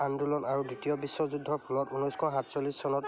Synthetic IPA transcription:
andulɔnaɹuditijɔbisːɔzudʱːɔpʰulɔtunɔjskʰɔɦatsolissɔnɔt

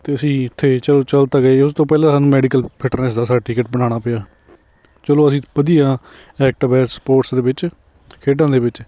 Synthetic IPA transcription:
t̪eːəsĩːɪt̪ʰːeːt͡ʃəloːt͡ʃəlt̪aːɡəaʊst̪õːpɛːlãsaːnũːmɛːɖiːkəlpʰɪʈɾneːs̬d̪aːsaːʈiːkəʈ̚bənaːɽ̃aːpeaː | t͡ʃəloːəsĩːbəd̪ijãː | ɛːk̚ʈəbɛːsə̥poːʈsd̪eːbɪt͡ʃ | kʰeːɖãːd̪eːbɪt͡ʃ

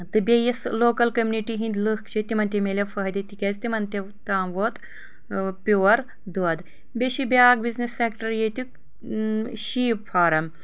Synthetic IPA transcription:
t̪ɨbʲejɐsloːkɐlkɐmʲuniʈiɦĩnd̪lɨkt͡ʃʰet̪ʲimɐnt̪ʲemelʲɐfɐɦɐd̪ɐt̪ikʲezʲt̪imɐnt̪e | t̪aːmʋoːt̪ | pʲoːɐɾ | d̪uɐd̪ | bʲeʃibʲaːɡbiznisːekʈɐɾjet̪u | ʃiːpfʰaːɾɐm

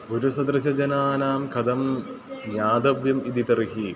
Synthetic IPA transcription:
uɾusɐd̪ɾɨɕɐd͡ʑɐnaːnaːmkʰɐd̪ɐm | ɲaːd̪ɐbjɐmid̪it̪ɐɾiɦi

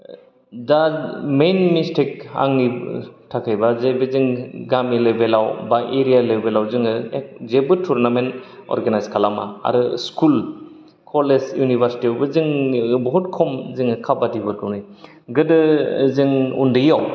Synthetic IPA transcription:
damenmistʰik̚a̰ŋnitʰakʰajbazebɯziŋɡamilebelawbaʔeɾijalebelawzɯŋɯek̚zebɯtʰuɾnamen | o̰ɾɡanajzkʰalama̰a̰ɾɯskʰul | kʰolesjunibʱaɾsi̥tiɔbɯzɯŋbɔɦut̚kʰɔmzɯŋɯkʰabadibɯtɔnij | ɡɯdɯzɯŋṵndɯjaw

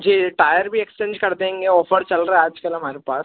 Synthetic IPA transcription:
d͡ʒiːʈaːjəɾbʱiekst͡ʃẽːɲd͡ʒkɐɾd̪eɦẽːŋɡeɔːfəɾt͡ʃɐlɾɐɛaːd͡ʒkəlɦɐmaːɾepaːs

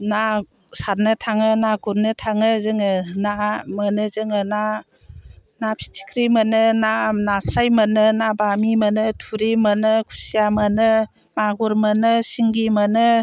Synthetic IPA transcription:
na | saɾnɯtʰaŋɯnaɡuɾnɯtʰaŋɯzɯŋɯnamənɯzɯŋɯna | napʰi̥tʰi̥kʰɾimənɯnanasajmənɯnabamimənɯtʰuɾimənɯkʰu̥sijamənɯ | maɡuɾmənɯsiŋɡimənɯ

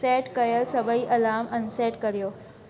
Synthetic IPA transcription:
sɛʈkəjəlsəbʱəiːʔəlamʔənsɛʈkəɾjo

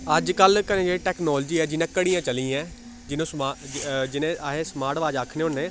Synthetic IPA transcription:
əd͡ʒkəlkənẽːd͡ʒeːeʈɛːknɔːld͡ʒiːɛːd͡ʒɪnãːkəɽĩːjãːt͡ʃəlĩːɛ̃ː | d͡ʒɪnõːsmad͡ʒɪnẽːaɦeːsmaːɾʈʋaːd͡ʒaːkʰneːɦʊnːẽː

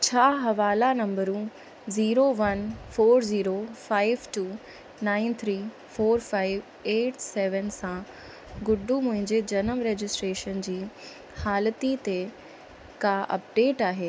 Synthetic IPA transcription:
t͡ɕʰaːɦɐʋaːlanɐ̃mbəɾũ | ziːɾoʋɐnfoːɾziːɾofaːɪʋʈuː | naːɪnt̪ʰɾiː | foːɾfaːɪʋ | eːʈsɛːʋənsã | ɡʊɖumʊ̃ɦɪ̃ɲd͡ʑed͡ʑɐnəmɾeːd͡ʑɪsʈɾeːʃənd͡ʑiː | haːlət̪it̪e | kaʔɐ̰p̚ɖeːʈaːɦeː

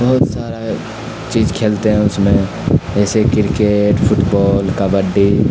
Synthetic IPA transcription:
bɐɦʊt̪saːɾe | t͡ʃiːd͡ʒkʰeːlt̪eɦɛ̃ʊsmẽ | ɛːsekɪɾkeːʈpʰʊʈbɔːlkabəɖi

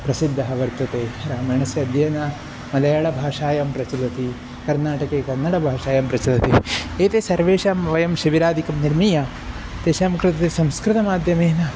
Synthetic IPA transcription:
pɾɐsid̪ʱːɐɦɐʋɐɾt̪ʋɐt̪eːɾaːmɐɳɐsjɐɐd̪ʱjɐːnɐ | mɐlɐjaːɭɐbʱaːʃaːjɐmpɾɐt͡ʃɐlɐt̪i | kɐɾnaːʈɐkeːkɐɾnɐɽɐbʱaːʂaːjɐmpɾɐt͡ʃɐlɐt̪eeːt̪esɐɾʋeːʃaːmʋɐjɐmʃiʋiɾaːd̪ikɐmniɾmijɐ | t̪eːʃaːmkɾɪt̪ɐt̪esɐmskɾɪt̪ɐmaːd̪ʱjɐmeːnɐ

